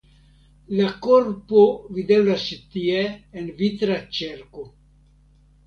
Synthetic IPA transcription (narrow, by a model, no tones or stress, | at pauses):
lakoɾpovid̪evlasit̪ieːnvit̪ɾat͡ʃeɾko